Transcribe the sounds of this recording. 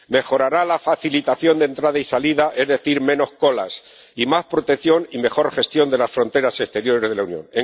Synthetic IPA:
me̞xo̞ɾaɾalafaθilit̪aθjo̞nd̪e̞nt̪ɾaðaisaliðaʔe̞zðe̞θiɾmẽ̞no̞sko̞las | imaspɾo̞t̪e̞kθjo̞nime̞xo̞ɾxe̞st̪jo̞nd̪e̞lasfɾo̞nt̪e̞ɾase̞st̪e̞ɾjo̞ɾe̞zðlaunjõ̞̰ŋne

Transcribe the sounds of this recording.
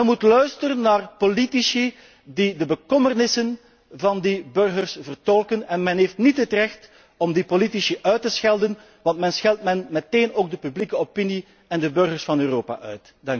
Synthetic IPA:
ɛnmutlœɥstərənːaːrpolitisi | didəbəkɔmərnɪsən | vɑndibɵrɣərsvərtɔlˠkənɛnmɛnɦeːftnitɦətrɛxt | ɔmdipolitisiʔœɥtəsxɛlˠdən | ʋɑntmɛnsxɛlˠtmɛnmɛteːnoːɡ̚dəpyblikəopini | ɛndəbɵrɣərsfɑnøːroːpa̰ʔœɥt | dɑŋk

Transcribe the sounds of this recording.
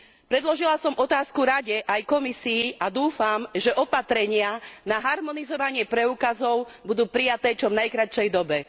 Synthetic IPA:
pɾɛd̪lɔʒilasɔmʔɔt̪aːskuɾaɟɛʔajkɔmisiːʔad̪uːfamʒɛʔɔpat̪ɾɛɲɪanaɦaɾmɔnizɔʋaɲɪɛpɾɛuːkazɔʊbud̪uːpɾijat̪ɛːt͡ʃɔvnajkɾat͡ʃɛjd̪ɔbɛ

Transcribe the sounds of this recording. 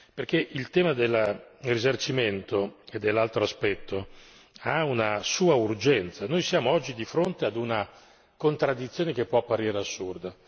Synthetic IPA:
perkeʔilt̪ɛːmad̪elːrizart͡ʃiment̪oed̪ːelːalt̪ɾoaspɛt̪ʰːo | aunasuːaurd͡ʒɛnt̪sanojsjaːmoɔd͡ʒːid̪ifɾont̪ead̪una | kont̪ɾad̪ːit̪sjoːnekepːwɔapːaɾiːɾeasːurd̪a

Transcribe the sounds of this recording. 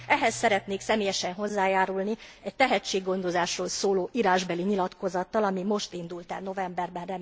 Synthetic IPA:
ɛɦɛsːɛɾɛt̪neːksɛmeːjɛʃɛnɦo̞zːaːjaːɾulniɛct̪ɛɦɛt͡ʃːeːɡːo̞nd̪o̞zaːʃroːlsoːloːʔiɾaːʒbɛliɲilɒt̪ko̞zɒt̪ːɒlɒmimo̞ʃt̪ind̪ult̪ɛ̰lno̞vɛmbɛrbɛrɛm

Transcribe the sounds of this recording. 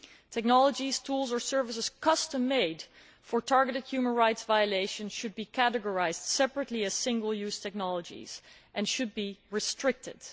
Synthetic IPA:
tʰɛk̚nɑlˠəd͡ʒiz̥tʰulˠzə˞sɜɹvəsəz̥kʰʌstə̃mːeɪd | fəɹtʰɑɹɡəɾɨd̚hjʉmə̃nɹaɪtsvaɪəleɪʃə̃nʃʊd̚bikʰæɾɨɡɔɹaɪzd̥sɛpɹətˡliɨz̥sɪ̃ŋɡəl̩ˠjʉz̥tʰɛk̚nɑlˠəd͡ʒḭz̥ | ʔɨ̃nʃʊd̚biɹɨstɹɪk̚tʰɪd̥

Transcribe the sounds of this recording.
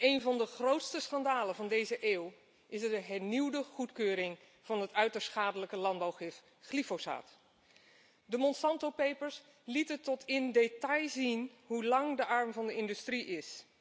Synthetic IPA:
ejnvɑndəχrowtstəsχɑndaːləvɑndejzəʔeːw | ɪsdəɦɛɹniwdəχutkøːɾɪŋ | v̥ɑnɦətœɥtəɹsχaːdələkəlɑnbawχɪf | χlifosa̰ːt | dəmɔnsɑntopejpəɹs | litətɔtʰɪndetɑjzinɦulɑŋdəʔɑɹmvɑndəɪndystriʔɪs

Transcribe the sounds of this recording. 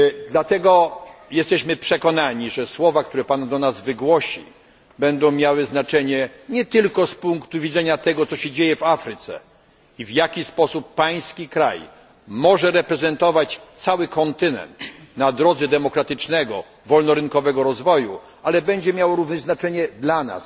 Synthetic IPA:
d̪lat̪ɛɡɔjɛst̪ɛɕmɘpʂɛkɔnaɲiʐɛswɔvak̚t̪uɾɛpand̪ɔnazvɘɡwɔɕḭ | bɛnd̪ɔ̃w̃mʲjawɘznat͡ʂɛɲɛɲɛt̪ɘlkɔspuŋkt̪uvʲid̪zɛɲat̪ɛɡɔt̪sɔɕɛd͡ʑejɛvafɾɘt̪sɛ̰ | ivjakʲispɔsupːaj̃skʲikɾa̰j | mɔʐɛɾɛpɾɛzɛnt̪ɔvat͡ɕt̪sawɘkɔnt̪ɘnɛ̰nt̪nad̪ɾɔd̪zɛd̪ɛmɔkɾat̪ɘt͡ʂnɛɡɔ̰ | vɔlnɔɾɘnkɔvɛɡɔɾɔzvɔju | alɛbɛɲd͡ʑɛmʲjawɔɾuvnɛznat͡ʂɛɲɛd̪lana̰s

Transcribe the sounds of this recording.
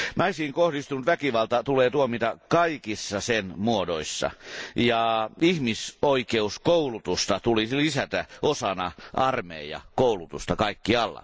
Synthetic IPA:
nʔɑisiːŋkohdist̪unut̪ʋækiʋɑlt̪ɑt̪uleːt̪uomit̪ɑkɑikisːɑsenmuodoisːɑ̰jɑihmisoikeuskoulut̪ust̪ɑt̪ulilisæt̪æʔosɑnɑʔɑrmḛːjɑ̰koulut̪ust̪ɑkɑikːiɑlːɑ̰

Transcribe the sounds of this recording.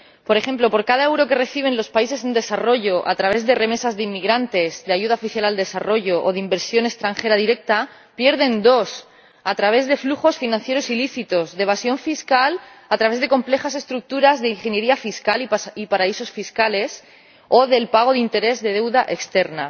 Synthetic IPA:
po̞ɾexẽ̞mplo̞po̞ɾkaðaewɾo̞ke̞re̞θiβ̞ẽ̞nlo̞spaise̞send̪e̞saro̞ʝo̞ʔa̰t̪ɾaβ̞e̞zðe̞re̞me̞sazðeimːiɣɾant̪e̞zdeaʝuð̞aofiθjalald̪e̞saro̞ʝo̞ʔoðeimbe̞ɾsjo̞ne̞kst̪ɾaŋxe̞ɾaðiɾe̞k̚t̪a | pje̞ɾð̞e̞nd̪o̞s | at̪ɾaβ̞e̞zðe̞fluxo̞sfinãn̟θje̞ɾo̞siliθit̪o̞zðeβasjo̞ɱfiskalat̪ɾaβe̞zðe̞ko̞mple̞xase̞st̪ɾuk̚t̪uɾazðeiŋxe̞nje̞ɾiafiskaliipaɾaiso̞sfiskale̞s | o̞ðe̞lpaɣ̞o̞ð̞eint̪e̞ɾe̞zðe̞ð̞e̞wðaʔe̞kst̪e̞ɾna̰

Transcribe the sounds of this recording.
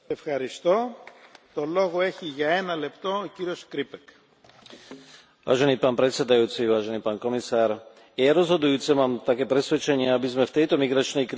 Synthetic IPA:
efxɐɾist̪o̞t̪oloɣoeçiʝɐenɐlept̪o̞ːciɾioskɾipek | ʋa̰ːʒɛniːpaːnpɾɛt̪sɛd̪ajuːt͡siʋaːʒɛniːpaːnkɔmisaːɾ | jaɾɔzɦɔd̪ujuːt͡sɛmaːmt̪akɛːpɾɛsʋɛt͡ʃɛɲɪɛabizmɛft̪ɛjt̪ɔmiɡɾat͡ʃnɛjkɾ

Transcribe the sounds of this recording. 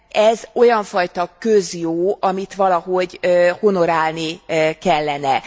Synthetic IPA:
ɛzo̞jɒɱfɒjt̪ɒkøzjoːɒmit̪ʋɒlɒɦo̞ɟøho̞no̞ɾaːlnikɛlːɛnɛ

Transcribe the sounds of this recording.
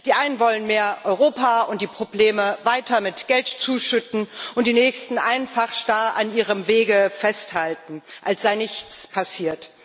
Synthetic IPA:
d̥iːʔaɪnənvɔlənmeːɐʔɔʏʁoːpʰaʊntd̥iːpʁ̥obleːməvaɪtɐmɪtɡ̥ɛltt͡suːʃʏtn̩ʔʊntd̥iːnɛːçstn̩ʔaɪnnfaχʃtaːanʔiːʁəmveːɡəfɛsthaltn̩ʔalsz̥aɪnɪçt͡spʰasiːɐt

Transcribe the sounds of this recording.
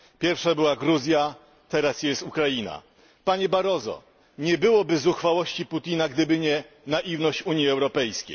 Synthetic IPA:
pʲjɛɾfʂabɘwaɡɾuzʲja | t̪ɛɾasjɛst̪ukɾajina̰ | paɲɛbaɾɔzɔ̰ | ɲɛbɘwɔbɘzuxfawɔɕt͡ɕiput̪ʲinaɡd̪ɘbɘɲɛ | naʔivnɔɕt͡ɕuɲjiɛwɾɔpɛjskʲḛj

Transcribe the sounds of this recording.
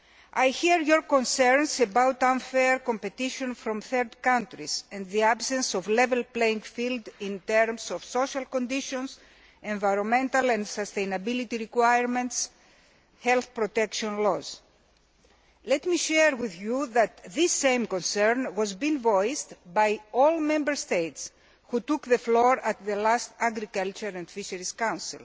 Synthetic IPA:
ajçiɾjoɾkõnsɛɾnsebawt̪ãnfeɾkompet̪iʃõnfɾõmθeɾd̪kãnt̪ɾisẽnd̪ðiabsẽnsovlevelpleĩŋɡfild̪ĩnt̪eɾmsofsoʃɐlkõnd̪iʃõns | ẽɱvajɾonmẽnt̪ɐlẽnd̪sɐst̪ejnɐbilit̪iɾikwajɾmẽnt̪s | hɛlθpɾot̪ekʃõnloz | let̪miʃɛɾwiðjuðɐt̪ðisːẽjmkõnsɛɹnwozbĩnvojst̪bajolmẽmbəɾst̪ejt̪s | xut̪ukðefloɾɐt̪ðelast̪aɡɾikalt͡ʃuɾẽnd̪fiʃeɾiskãw̃nsḭl

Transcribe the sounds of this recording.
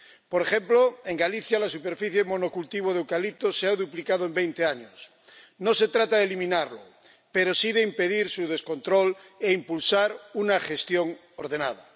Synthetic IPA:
poɾexemploe̞ŋɡaliθjalasupe̞ɾfiθjemonokult̪iβ̞oðewkalit̪oseaðuplikaðoembejnt̪eaɲos | nose̞t̪ɾat̪aðelimĩnaɾlo | peɾosiðeimpe̞ðiɾsuð̞e̞sko̞nt̪ɾoleimpulsaɾunaxe̞st̪joŋ | oɾðenað̞a̰

